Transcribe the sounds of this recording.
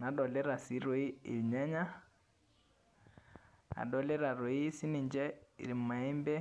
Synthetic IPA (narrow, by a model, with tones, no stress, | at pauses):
na˨ɗɔ˨lɛ˦ɾa˨si˨˦ɾo˨˦i˦e˨ɲa˦ɲa˦ | a̰˨ɗɔ˨lɛ˦ɾa˨ɾo˨˦i˦si˦ni˨ɲd͡ʒɛ˦ḭ˨ɾi˨m̩˨ma˨ɛ˦mbɛ˦